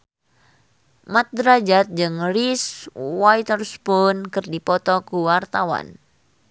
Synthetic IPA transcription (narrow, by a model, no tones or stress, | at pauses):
mat̪̚dɾad͡ʒat̪̚d͡ʒɨŋriswajt̪ərspunkɨrdipɔt̪ɔkuwart̪awa̰n